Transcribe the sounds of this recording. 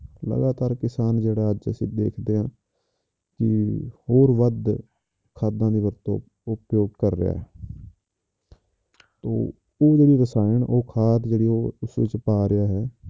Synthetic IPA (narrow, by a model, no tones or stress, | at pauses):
lə̰ɡaːt̪aːɾkɪsaːnd͡ʒeːɽaːəd͡ʒə̰sĩːd̪ḛːkʰd̪eːɦãː | kɪhoːɾʋəd̪ | kʰaːd̪ãːd̪iːʋəɾt̪õ̰ː | ʊpjoːɖkəɾːɪ̰ja̰ːɦɛː | t̪o̰ː | oːd͡ʒeːɽiːɾəsaːɪnʔoːkʰaːt̪d͡ʒeːɽiːoːʊsʋɪ̰t͡ʃpaːɾɪjaːɦɛː